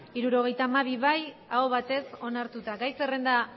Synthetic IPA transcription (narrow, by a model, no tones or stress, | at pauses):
iɾuɾo̞ɣ̞e̞jt̪aːmaβ̞iβajaoβ̞at̪e̞so̞naɾt̪ut̪aɡajse̞re̞nd̪a